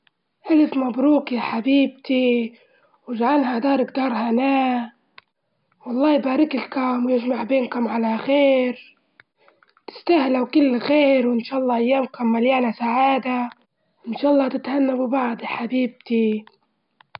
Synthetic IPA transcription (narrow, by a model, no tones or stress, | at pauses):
ʔalɪfmabɾuːkijaħabiːb̚t̪i | wɪʒʕanɦad̪ɑːɾˤɪk̚d̪ɑːɾˤhanaː | wɑlˤːɑːjbaːɾɪklkʊmwjɪʒmaʕbeːnkʊmʕalaxeːɾ | t̪ɪ̥st̪ahlawkɪlːxeːɾwɪnʃaːʔɑlˤːɑːʔajːaːmkʊmːaljaːnasaʕaːd̪a | wɪnʃaːʔɑlˤːɑːt̪ɪt̪hanːabɪbaʕd̪ħabiːb̚t̪i